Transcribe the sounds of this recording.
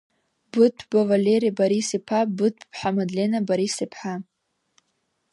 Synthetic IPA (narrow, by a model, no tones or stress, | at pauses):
bɨt̚pʰbavalʲeɾibaɾisipʰabɨt̚ʰpʰpħamad̪lʲenabaɾisipʰħa